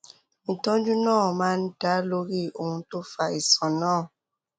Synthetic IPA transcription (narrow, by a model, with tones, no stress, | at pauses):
mĩ˨tɔ̃˦d͡ʒu˦nɔ̃ː˦˨mãː˦n̩˦da˨˦lo˦ɾi˦˨o˨hũ˦to˦fa˨e˨sɔ̃˨nɔ̃ː˦˨